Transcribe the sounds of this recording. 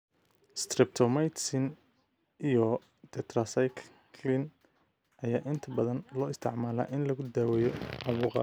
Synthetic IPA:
st̪rɪp̚t̪ʰɔmajt̪sɪn | ijɔ | d̪̥ɛt̪ʰrɐsajkʰ | kʰlɪn | ʔɐjaːʔɪnt̪ʰɐbɐðɐnlɔːɪst̪ʰɪʕmaːla̰ːʔɪnlɐɣʊd̪aːwɛjɔʕɑβuːqɑ̰

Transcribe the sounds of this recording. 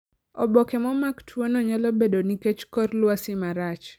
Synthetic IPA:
ɔbɔkɛmɔmaktʰwonɔɲalɔbedoniket͡ʃkɔrlwasɪmaɾat͡ʃ

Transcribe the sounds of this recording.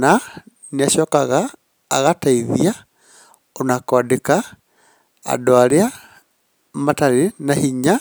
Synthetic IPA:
na | naʃɔːkaɣa̰ː | ɣataiðia | onakwaadeka | a̰doaɾea | mataɾenahiɲa

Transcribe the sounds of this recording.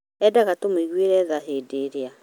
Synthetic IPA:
ɛdaɣatomeiɣweɾɛðaɦeːdeɾea

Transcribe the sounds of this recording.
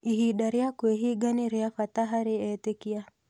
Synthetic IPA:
iɦiɗaɾiakweɦiɡaniɾiafataɦaɾiɛtekia

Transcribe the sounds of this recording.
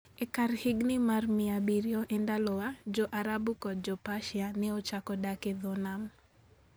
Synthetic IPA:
ekaɾhɪɡnɪmarmɪabiɾjoʔendalɔwad͡ʒɔʔaɾabukɔd̚d͡ʒɔpaʃɪanɛot͡ʃakɔdaked̪ɔnam

